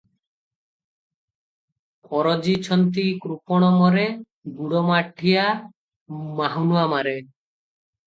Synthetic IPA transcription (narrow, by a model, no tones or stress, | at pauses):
kɔɾɔd͡ʑit͡ɕʰɔnt̪̬ikɾupɔɽ̃ɔmɔɾe | ɡuɽɔmaʈʰːija | maɦunuamaɾe